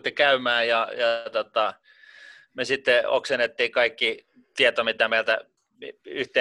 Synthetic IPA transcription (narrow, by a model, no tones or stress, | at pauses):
t̪ːikæymæːjɑjɑt̪ot̪ɑ | mesit̪ːeo̰ksenːet̪ːiːkɑikːi | t̪iet̪omit̪æmeilt̪æ | yht̪eː